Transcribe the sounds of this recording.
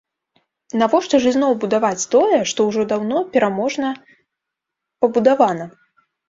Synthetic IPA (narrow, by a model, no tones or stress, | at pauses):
navɔʂt̪ɔʐɨzʲnɔwbud̪avat͡sʲt̪ɔjɛʂt̪ɔwʐɔd̪awnɔpʲɛɾamɔʐnɐ | pɐbud̪avanɐ